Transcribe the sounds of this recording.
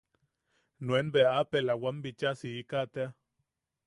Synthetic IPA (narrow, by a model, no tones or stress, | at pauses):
nwenbeapelawambit͡ʃasiikat̪ea